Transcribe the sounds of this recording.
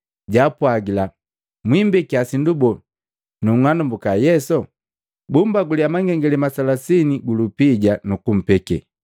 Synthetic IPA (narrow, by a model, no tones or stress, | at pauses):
ɟaːpwaɡila | mwimbɛkiasindubɔ | nuŋanumbukajɛsɔ | bumbaɡuliamaŋɡɛŋɡɛlɛmasalasiniɡulupiɟanukum̩pɛkɛ̰